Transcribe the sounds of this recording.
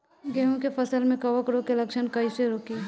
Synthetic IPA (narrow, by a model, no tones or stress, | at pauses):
ɡɛɦõkepʰɐsəlmẽkɐʋəkɾokelɐkʃənkɐiseɾoːki